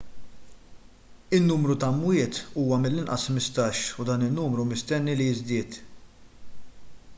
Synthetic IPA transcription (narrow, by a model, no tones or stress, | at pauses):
ɪnːuːmɾut̪ɐmwɪːt̪uːwɐmɪlːɪnʔɐ̰smɪst̪ɐːʃud̪ɐːnɪnːuːmɾumɪst̪ɛnːilijɪzd̪ɪːt̪